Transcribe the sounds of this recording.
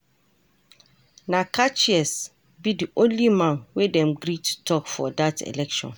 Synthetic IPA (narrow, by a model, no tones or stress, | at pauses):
nakʰat͡ʃiɛs | bidiʔõnlimãnwedɛ̃mɡɾitʰu̥tʰɔkfɔdatʰḛlɛkʃɔ̰̃n